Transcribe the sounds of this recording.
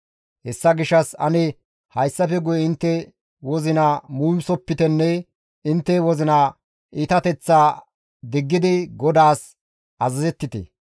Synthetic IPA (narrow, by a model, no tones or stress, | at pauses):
hɛsːɐɡɪʃːɐsɐ̰nɛ | hɐjsːɐfɛɡʊjɛɪnt̪ːɛ | wɔzɪnɐmuːmsɔpːɪt̪ɛnːɛ | ɪnt̪ːɛwɔzɪna | iːt̪ɐt̪ɛt͡sːaː | d̪ɪɡːɪd̪ɪɡɔd̪aːs | ʔɐzɐzɛt̪ːɪt̪ɛ̰